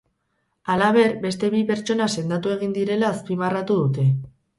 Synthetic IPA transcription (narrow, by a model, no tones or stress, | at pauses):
alaβ̞e̞ɾbe̞st̪e̞βipe̞ɾt͡ʃo̞nase̞nd̪at̪ue̞ɣ̞ind̪iɾe̞laːspimarat̪uðut̪e̞